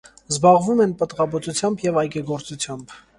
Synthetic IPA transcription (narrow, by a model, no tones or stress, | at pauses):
zbɑʁvumɛnpət̪ʁɑbɔt͡sut͡sʰjɑmbjɛvɑjɡɛɡɔɾt͡sut͡sʰjɑmb